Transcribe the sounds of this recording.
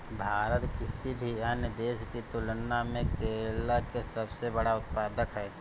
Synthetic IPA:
bʱaːɾət̪kɪsibʱiɐnjəd̪eːʃkit̪ʊlnamẽkeːlakesɐbsebɐɽaʊt̪̚paːd̪əkɦɛː

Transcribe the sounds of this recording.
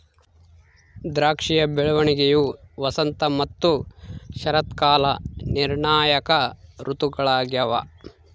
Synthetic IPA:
d̪ɾaːkʂijɐbeɭuʋɐɳiɡejuʋɐsɐnt̪ɐmɐt̪ːuʃɐɾɐt̪kaːlɐniɾɳaːjɐkɐɾut̪uɡɐɭaːɡjɐʋɐ̰

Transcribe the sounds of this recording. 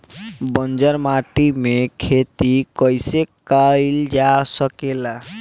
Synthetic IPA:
bənd͡ʒəɾmaʈimekʰet̪ikɔjsekajld͡ʒasəkela

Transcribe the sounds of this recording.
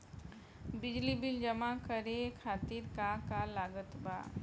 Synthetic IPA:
bɪd͡ʒlibɪld͡ʒəmakəɾekʰaːt̪iɾkakalaːɡət̪ba̰ː

